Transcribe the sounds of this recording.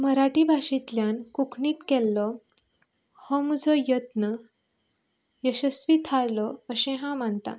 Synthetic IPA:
məɾaʈibʱaɕit̪ljankukʰɳiːt̪kɛlːɔ | hɔ̃məd͡zʱɔjət̪nə | jəɕəsʋit̪ʰaɾlɔəɕẽɦãmant̪a̰

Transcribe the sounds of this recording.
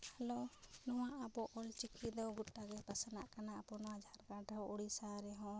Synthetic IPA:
alɔnɔwaʔabɔʔɔlt͡ʃikʰid̪ɔwɡuʈːaɡɛpasanaʔkanaabɔnɔwad͡ʒʱaɾkaʈaɦɔʔuɽisaɾɛɦɔ̃

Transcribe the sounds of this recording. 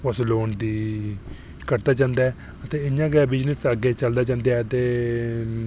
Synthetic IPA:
ʊsloːɳd̪iː | kəɾt̪aːd͡ʒãːnd̪aːɛː | ət̪eːɪɲãːɡɛːbɪd͡ʒnəsəɡeːt͡ʃəld̪aːd͡ʒãːnd̪eaɛət̪eː

